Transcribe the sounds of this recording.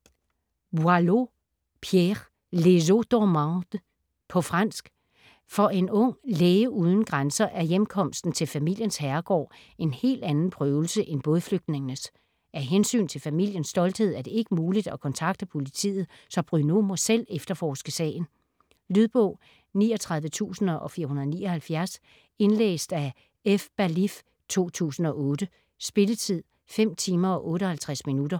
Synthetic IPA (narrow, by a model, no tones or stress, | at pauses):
bwɑlo | pʰjeʁ | le̝s̬od̥ɒmɑd̥ | pʰɒ̽fʁɑn̰sɡ̥ | fɒ̽ʔe̝nɔ̽ŋ̰leːɪəʔuð̞ˠn̩ɡ̥ʁansɐʔæɐjemkʰɒ̽m̰sd̥n̩t͡sʰe̝lfæmil̰jənshæɐɡ̥ɒ̰ː | e̝nhe̝̰ːld̥ænn̩pʰʁœːʊl̩səʔenb̥ɔðˠfløɡ̥̚d̥ne̝ŋənəs | æɐɦensy̰ːnt͡sʰe̝lfæmil̰jənsd̥ɒ̽ld̥he̝ð̰ˠæd̥e̝e̝ɡ̥əmuːlid̥ækʰɒ̽nt͡sʰɑ̈ɡ̥d̥əpʰo̝lit͡sʰḭːð̞̩ˠ | sɒ̽b̥ʁyno̝mɔ̽sel̰efd̥ɐfɒːsɡ̥əsɛ̰ːɪn̩ | lyðˠb̥ɔʊ̰ | niːɒ̽t͡sʰʁɑ̈ð̞ˠʋət͡sʰṵːsn̩ʔɒ̽fiːɐɦunɐðˠnḭːɒ̽hælfjæɐs | e̝nlḛːsd̥æ | efb̥ælif | t͡sʰo̝̰ːt͡sʰṵːsn̩ɒ̽ɔ̽ːd̥ə | sb̥e̝lət͡sʰið̰ˠ | fem̰t͡sʰiːmɐɒ̽ʔɔ̽ːɾəhælt͡sʰʁasminud̥ɐ